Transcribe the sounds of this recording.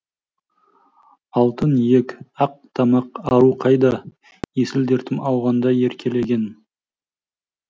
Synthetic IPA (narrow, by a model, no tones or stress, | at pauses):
ɑlˠt̪ənje̞kʲɑq̚t̪ʰɑmɑqɑɾuqʰɑjd̪ɑ | jesɪld̪e̞ɾt̪ʰɪmɑwʁɑnd̪ɑje̞ɾkʲʰe̞le̞ɡʲe̞n